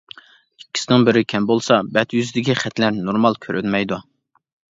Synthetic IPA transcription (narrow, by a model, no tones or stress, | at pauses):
ikʲʰːi̥sɪnɪŋbɪɾɪkʲʰɛmbolˠsɑbɛt̪jyzɪd̪ɪkʲiχɛt̪ʰlæɾnoɾmɑlˠkʲʰøɾʔy̰nmɛjd̪u